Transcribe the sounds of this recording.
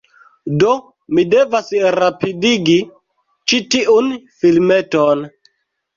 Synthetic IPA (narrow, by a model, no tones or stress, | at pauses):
do | mide̞vasɾapidiɡi | t͡ʃitiʔunfilmeton